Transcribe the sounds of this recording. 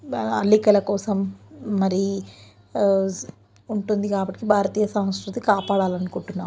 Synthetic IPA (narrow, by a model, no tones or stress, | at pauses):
ɐ̰lːikɐlɐkɔːsɐmːɐɾi | uɳʈund̪ikaːbɐʈːkibʱaːɾɐt̪iːjɐsɐmskɾut̪ikaːpaːɽaːlɐnukuɳʈunːaːm